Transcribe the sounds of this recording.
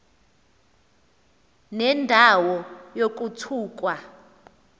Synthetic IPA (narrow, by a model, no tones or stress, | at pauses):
nɛndʱawɔjok̬ʼutʰuːk̬ʼwa